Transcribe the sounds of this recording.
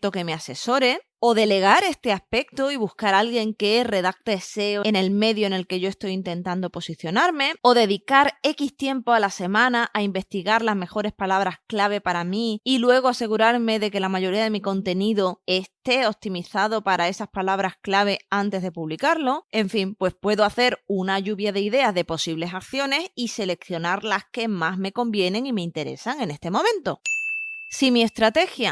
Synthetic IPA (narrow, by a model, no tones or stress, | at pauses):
t̪o̞ke̞me̞ase̞so̞ɾe̞ | o̞ðe̞le̞ɣ̞aɾe̞st̪e̞aspe̞k̚t̪oiβuskaɾalɣje̞ŋke̞re̞ðak̚t̪eese̞oene̞lme̞ðjoene̞lke̞ʝo̞est̪o̞jint̪ẽ̞nt̪and̪o̞po̞siθjo̞naɾme̞o̞ðe̞ðikaɾe̞kist̪je̞mpoalase̞mãnaʔaimbe̞st̪iɣaɾlazme̞xo̞ɾe̞spalaβɾasklaβ̞e̞paɾamiilwe̞ɣ̞oase̞ɣuɾaɾme̞ðe̞ke̞lamaʝo̞ɾiaðe̞miko̞nt̪e̞niðo̞e̞st̪e̞o̞p̚t̪imiθaðo̞paɾae̞saspalaβ̞ɾasklaβ̞e̞ant̪e̞zðe̞puβlikaɾlo̞e̞ɱfimpwe̞spwe̞ðo̞aθe̞ɾunaʝuβjaðe̞iðe̞azðe̞po̞siβle̞sak̚θjo̞ne̞sise̞le̞kθjo̞naɾlaske̞mazme̞ko̞mbje̞nẽ̞ŋime̞int̪e̞ɾe̞̰saŋe̞ne̞st̪e̞mõ̞mẽ̞nt̪o̞ | simie̞st̪ɾat̪e̞xja